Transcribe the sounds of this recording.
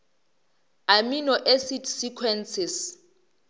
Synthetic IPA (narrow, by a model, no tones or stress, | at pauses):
aminɔʔesitʰsikʰwɛnsɪs